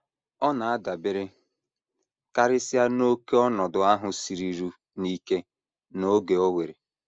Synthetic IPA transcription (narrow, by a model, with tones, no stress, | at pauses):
ɔ˦na˨a˦da˨be˦ɾe˦ | ka˦ɾɪ˦sɪ˦a˦no˦ke˦ɔ˦nɔ˨dʊ˨a˦ɦʊ˨si˨ɾi˨ɾu˦ | ni˦ke˦ | no˦ɡe˨o˦we˨ɾe˨